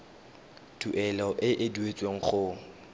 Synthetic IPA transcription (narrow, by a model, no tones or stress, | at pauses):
d̥uʔɛlɔʔɪʔɪduet͡sʼweŋ̩χʊ